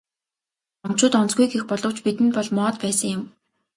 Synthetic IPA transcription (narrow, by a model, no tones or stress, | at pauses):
ɔm̥t͡ɕʊːt̪ɔnt͡sɡujɡexpɔɮɞ̆w̥t͡ɕpit̪ɘ̆npɔɮmɔːt̪pæːsə̆ŋjʊ̆m